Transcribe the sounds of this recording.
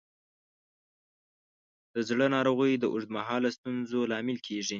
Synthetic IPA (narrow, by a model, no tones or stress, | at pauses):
d̪̥əzɽənɑɾoɣəjd̪əʔʊʐd̪maɦɑlast̪unzolɑmɪlkʰeʐi